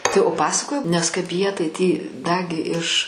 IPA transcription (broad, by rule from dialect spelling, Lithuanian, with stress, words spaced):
tɐɪ oː ˈpɑːsɐkoːjɛʊ ˈnʲɛs kɐɪp ˈjiɛ tɐɪ tʲiː ˈdɑːɡʲɪ ɪʃ